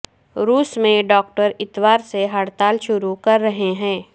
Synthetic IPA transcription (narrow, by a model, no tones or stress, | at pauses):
ɾuːsmẽɖɔːk̚ʈəɾɪt̪ʋaːɾseɦaːɽt̪aːlʃʊɾukɐɾːɐɦeɦɛ̃ː